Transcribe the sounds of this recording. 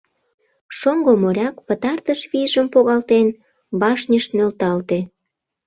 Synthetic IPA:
ʃoŋɡomoɾʲɑkpət̪ɑrt̪əʃβiʒəmpoɣɑlt̪en | bɑʃnʲəʃnølt̪ɑlt̪e

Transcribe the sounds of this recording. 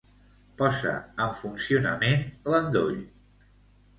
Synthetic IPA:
pɔzə̰əɱfunsiunəmenlənd̪oʎ

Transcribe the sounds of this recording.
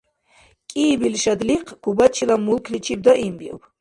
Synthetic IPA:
kʼiːbilʃad̪liqʰɡ̥ubat͡ʃʰilamulkʰlit͡ʃʰib̚d̪ɔʔimbiṵpʰ

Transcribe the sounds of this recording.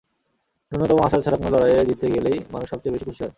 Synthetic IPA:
unːot̪ɔmoaʃat͡ɕʰaɾaknolɔɾajed̪it̪ʰːeɡelejmanuʃːɔb̚t͡ɕejbeʃikut͡ɕʰoɾ

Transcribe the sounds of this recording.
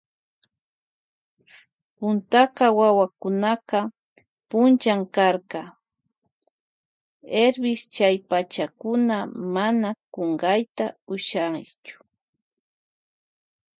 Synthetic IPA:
pʊnt̪aqɑwawakʊnaqɑ | pʊnt͡ʃamkaɾqɑ | eɾbɪst͡ʃajpat͡ʃakʊnamanakoɴɢɑjt̪aʊʃaŋt͡ʃʊ̥

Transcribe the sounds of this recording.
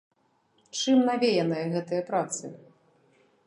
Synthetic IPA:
t͡ʂɨmnavʲejɐnɐjɐɣɛt̪ɐjɐpɾat̪sɨ̰

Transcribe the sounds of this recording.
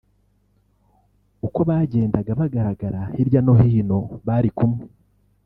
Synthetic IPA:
uko̞βaːɟe̞ːndaɡaβaɡaɾaɡaɾahiɾjano̞hiːno̞βaːɾikumŋe

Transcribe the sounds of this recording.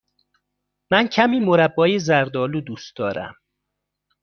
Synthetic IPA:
mæncʰæmiːmoɾæbːɒːjezæɾd̪ɒːlud̪uːst̪d̪ɒːɾæ̰m

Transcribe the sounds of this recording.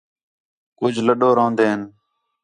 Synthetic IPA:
kʊd͡ʒʱləɗoːɾãːnd̪eːɦən

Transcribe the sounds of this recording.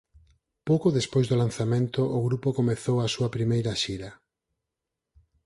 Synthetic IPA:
powkoðespojzðʊlanθamẽnt̪ʊʔʊɣɾupokomeθowasuɐpɾimejɾɐʃiɾɐ

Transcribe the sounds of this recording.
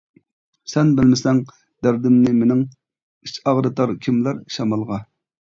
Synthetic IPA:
sɛnbɪlmɪsɛŋ | d̪æɾd̪ɪmnɪmenɪŋ | it͡ʃɑʁɾɨt̪ɑɾkʲʰimlæɾʃɑmɑlˠʁɑ

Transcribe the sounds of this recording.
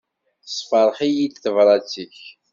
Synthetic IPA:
θə̥sˤfəɾˤχijid̪θəvɾˤɑt͡siç

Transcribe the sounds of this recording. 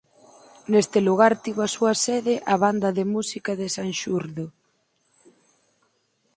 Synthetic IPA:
nest̪ɪluɣ̞aɾt̪iβasuɐseðɪʔaβand̪ɐðemusikaðɪsanʃuɾðo

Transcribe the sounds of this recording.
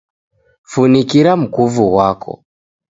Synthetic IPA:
funikiɾam̩kuvuwakʰɔ̰

